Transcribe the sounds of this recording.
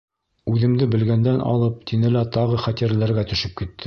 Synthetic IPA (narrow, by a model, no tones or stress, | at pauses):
ʉðɘ̆md̪ɘbɘ̆lɡænd̪ænʔɑ̰lˠɤp̚t̪ʰinɘ̆læt̪ɑʁɤχæt̪ʲiɾælæɾɡæt̪ɵ̆ʃɘp̚kit̪ːɘ